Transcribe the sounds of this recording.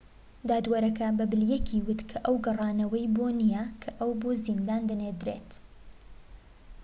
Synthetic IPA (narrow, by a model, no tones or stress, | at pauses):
d̪aːd̪wɐɾɐkɐbɐbɨljɛkʰiːwʊt̪kʰɐʔɐwɡɐrˤɑːnɐwɐjboːnijɐkʰɐʔɐwboːzind̪aːnd̪ɐneːd̪ɾḛːt̪